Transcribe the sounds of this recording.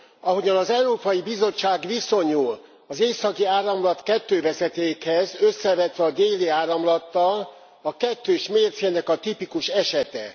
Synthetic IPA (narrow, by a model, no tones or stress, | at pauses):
ɒɦo̞ɟɒnɒzɛuɾoːpɒjibizo̞t͡ʃːaːɡʋiso̞ɲuːl | ɒzeːsɒkiaːrɒmlɒt̪kɛt̪ːøːvɛzɛt̪eːkhɛzø̞sːɛvɛt̪ʋɛɒd̪eːliaːɾɒmlɒt̪ːɒl | ɒkɛt̪ːøːʃmeːrt̪senɛkɒt̪ipikuʃɛʃɛt̪ɛ̰